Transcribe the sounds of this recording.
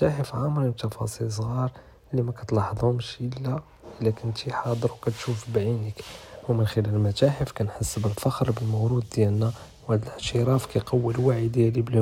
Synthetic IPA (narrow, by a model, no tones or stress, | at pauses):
t̪æħəfʕamɾibt̪ɑfɑ̰sˤils̬ˤɣɑɾˤ | əlːimækæt̪lɑħd̪ˤʊmʃʔəlːæ | ʔəlːækənt̪iħɑd̪ˤəɾwkæt̪ʃufbʕinəkwmənxəlælmæt̪æħəfkænħəsːəbəlfɑxɾbəlmowɾud̪̚d̪jælnæ | whæd̪ələʕt̪əɾɑfkæjqɑwːəlwaʕid̪jælibəl